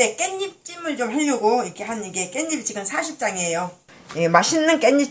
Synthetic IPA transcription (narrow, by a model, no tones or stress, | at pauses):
e̞k͈e̞ɲːip̚t͡ɕ͈imɯɭt͡ɕomɸeʎːoɡoikʰe̞ɦaniɡe̞k͈e̞ɲːibit͡ɕiɡɯmsʰaɕʰip̚t͡ɕ͈aŋe̞jo | jemaɕʰinːɯnk͈e̞ɲːip̚